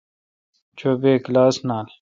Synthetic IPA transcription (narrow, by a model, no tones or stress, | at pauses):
t͡ɕoːbeːklaːsnaːl